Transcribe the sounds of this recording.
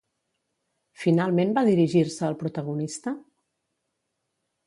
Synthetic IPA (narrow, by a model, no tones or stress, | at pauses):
finalˠmenbaðiɾiʒiɾsəːlˠpɾut̪əɣ̞unist̪ə